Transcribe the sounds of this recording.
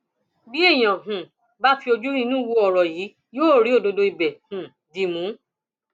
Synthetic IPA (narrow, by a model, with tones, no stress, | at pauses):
bi˦e˦˨j̃ã˨ɦũ˨ | ba˦fi˧o˧d͡ʒu˦nĩ˧˦nũ˦˨wu˧˦ɔ˨ɾɔ˨jiː˨˦ | joː˦˨ɾi˨˦o˦˨do˧do˧i˨bɛ˨hũ˨ | di˨mũ˨˦